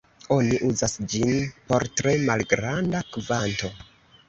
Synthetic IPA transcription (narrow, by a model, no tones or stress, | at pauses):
o̞niʔuzasd͡ʒinpo̞ɾtɾe̞malɡɾandakvanto̞